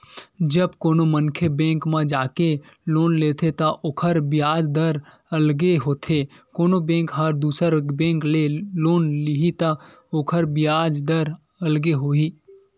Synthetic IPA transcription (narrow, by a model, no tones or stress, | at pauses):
d͡ʒəbkoːnomənkʰebẽːŋkmãd͡ʒaːke | loːnleːt̪ʰet̪ɐʔoːkʰəɾbɪjaːd͡ʒd̪əɾ | ɐlɡeɦoːt̪ʰekoːnobẽːŋkɦɐɾd̪uːsəɾbẽːŋkleloːnlɪɦit̪a | oːkʰəɾbɪjaːd͡ʒd̪əɾ | ɐlɡeɦoːiː